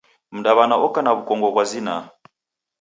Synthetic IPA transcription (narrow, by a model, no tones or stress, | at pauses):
m̩ndaβanaʔɔkanaβukɔŋɡɔβwazina̰